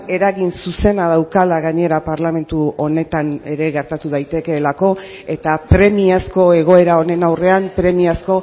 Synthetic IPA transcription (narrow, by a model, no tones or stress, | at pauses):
e̞ɾaɣinsuse̞nað̞awkalaɣaɲe̞ɾapaɾlame̞nt̪uo̞ne̞t̪ane̞ɾe̞ɣe̞ɾt̪at̪uðajt̪e̞ke̞lako̞ | e̞t̪apɾe̞miasko̞e̞ɣ̞o̞e̞ɾao̞ne̞nawre̞ampɾe̞miasko̞